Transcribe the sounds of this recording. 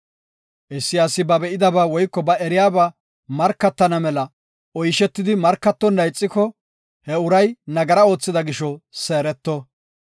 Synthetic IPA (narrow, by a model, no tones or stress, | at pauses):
ʔɛsːɪjaːsɪbɐbɛʔɪd̪ɐbaːwɔjkːɔbɐɛɾɪjaːbɐ | mɐɾkːɐt̪ːɐnɐmɛlɐ | ɔjʃɛt̪ːɪd̪ɪmɐɾkːɐt̪ːɔnːɐjt͡sʼːɪkɔ | hɛʊɾɐjnɐɡɐɾɐo̞ːt͡sːɪd̪ɐɡɪʃɔse̞ːɾɛt̪ːɔ